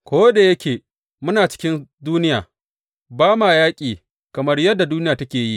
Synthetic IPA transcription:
kʷoː˦de˨jɐ˦kʲeː˨ | mʊ˦naː˨t͡ʃɪ̥˦kʲɪ˦nduː˦nɪ˦jaː˨ | baː˦maː˨jaː˦kʲʼiː˨ | kɐ˨mɐ˦rjɐ˦dːa˨duː˦nɪ˦jaː˨tɐ˦kʲeː˨ji˦ʔ

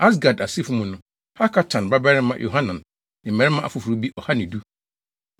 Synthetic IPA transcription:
a˦s̬ɡa˨da˨si˦fu˦mũ˨nʊ̃˨ | ha˦kʰa˦tʰã˨nba˦bɛ˦ɾɪ˦mã˦jʔo̰˨ɦã˦nã˨n | nɪ̃˨mɛ̃˨˦ɾɪ̃˦mã˦ʔa̰˨fʊ˨fu˨ɾu˦bi˦ʔɔ˨ha˦nɪ̃˨du˦

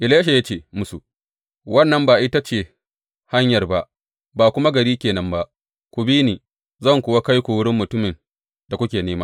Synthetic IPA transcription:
ʔɪ˨leː˦ʃ̬a˨ja˦t͡ʃeː˦˨mʊ˦su˨ | wɐ˦nːɐ˨mbaː˨ʔɪ˦ta˦t͡ʃeː˨ | ha˦ɲjɐ˨rba˦ʔ | baː˨kʷʊ˦ma˦ɡɐ˨ɾiː˦kʲeː˨nɐ˨mba˦ʔ | kʷu˨bi˦niː˨ | zɐ˦˨ŋkʷʊ˨wa˦ka˦jkʷu˨wʊ˦ɽɪ˦mːʊ˨tʊ˦mɪ˨n | d̥a˨kʷʊ˦kʲeː˨neː˦maː˦

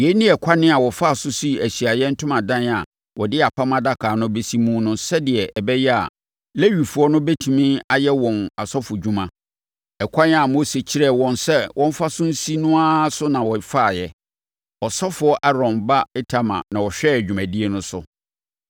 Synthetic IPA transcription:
je˨˦nĩ˦ɛ˨kʷʰa˦nɪ̃˦a˨wɔ˨fa˦˨sʊ˦si˦˨æ˨ɕi˨a˨jɛ˦n̩˦tʰʊ̃˦mã˨dã˦n˨a˨ | wɔ˨dɪ˦a˨pʰa˦mã˦da˦kʰaː˨nʊ̃˦be˦si˦mũ˦nʊ̃˦sɛ˦dɪ˨ɛ˨ʔɛ˨bɛ˦jɛ˦a̰˨ | le˦ɥi˨fu˨ɔ˦nʊ̃˦bɛ˦tʰũ˨mĩ˦a˨jɛ˦wɔ̃˨na˨sɔ˦fʊ˨d͡ʑᶣũ˦mã˦ | ɛ˨kʷʰã˦n˦a˨mo˦se˨t͡ɕʰi˦ɾɛ˦˨wɔ̃˨nsɛ˦wʔɔ̃˦m̩˦fa˦sʊ̃˦n̩˦si˦nʊ̃˦a˦sʊ˦nã˨wɔ˨fa˦˨jɛ˨ | ɔ˨sɔ˦fʊ˨˦ɔ˦ʔa˦ɾɔ̃˨mba˦ɪ˦tʰa˦mã̰˨nã˨wɔ˨ɕᶣɛ˦æ˨d͡ʑᶣu˨mæ̃˨di˦e˦nʊ̃˦sʊ˦

